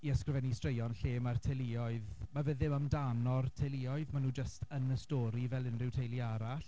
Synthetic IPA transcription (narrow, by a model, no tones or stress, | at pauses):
iəskrɪvɛnistrejɔnɬeːmartʰelˠɪɔɨðmavəðɪməmdanɔrtʰejlˠɪɔɨðmanuːd͡ʒəstʰənəstɔɾivɛlˠɪnrɪwtʰejlˠiaɾaɬ